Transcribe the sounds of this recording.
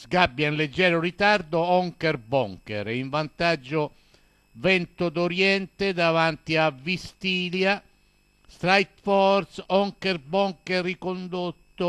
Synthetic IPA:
zɡabːjainled͡ʒːɛːɾʊɾit̪aɾd̪ʊɔŋkɛɾbɔŋkɛ̰ɾiɱvant̪ad͡ʒːʊ | vɛnt̪ʊd̪oɾjɛnt̪ɪd̪avant̪iavːist̪iːlja | st̪ɾajt̪fɔɾsɔŋkɛɾbɔŋkɛrːikond̪ot̪ːʊ

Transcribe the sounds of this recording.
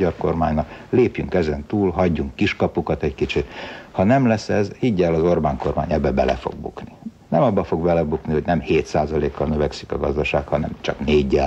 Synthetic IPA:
ɒrko̞rmaːɲnɒkleːpjyŋkɛzɛnt̪uːlɦɒɟːuŋkːiʃkɒpukɒt̪ɛckit͡ʃit̪hɒnɛmlɛsːɛzhiɟːɛlɒzo̞rbaːŋko̞rmaːɲɛbːɛbɛlɛ̰fo̰ɡ̚bṵkni | nɛmɒbːɒfo̞ɡbɛlɛbukniho̞ɟnɛmheːt̪saːzɒleːkːɒlnøvɛksi̥kɒɡɒzd̪ɒʃaːkhɒnɛ̰mt͡ʃɒkneːɟːɛ

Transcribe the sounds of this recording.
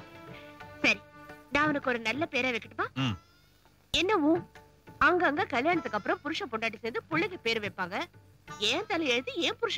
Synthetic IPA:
sɐɾinãːɐʋɐnɯkːɯɔɾɯnɐlːɐpeːɾaːʋɐɛkːɪʈːɯpːaː | ɛnːɐʋũː | ɐŋɡɐːŋɡɐkɐɭjaːɳɐt̪ːɯkːɐpːɯɾɐ̃mpʊɾɯʂɐ̃pɔɳɖaːʈ̬ːiseːnd̪ɯpʊɭːɐɣɐpeːɾʋeːpːaːŋɡɐ | ɛːnt̪ɐlɐɛɻɯt̪ːɯɛːpʊɾɯʂɐ̃

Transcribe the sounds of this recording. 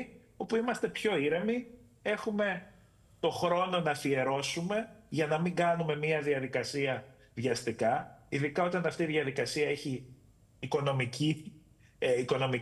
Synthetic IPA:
o̞puimɐst̪e̞pço̞iɾemi | e̞xume̞ | t̪o̞xɾo̞no̞nɐθie̞ɾo̞sume̞ʝɐnɐmiŋɡɐnume̞miɐðiɐðikɐsiɐ | ðʝɐst̪ikɐiðikɐo̞t̪ɐnɐft̪iːðiɐðikɐsiɐe̞çiː | ko̞no̞mici | iko̞no̞mi

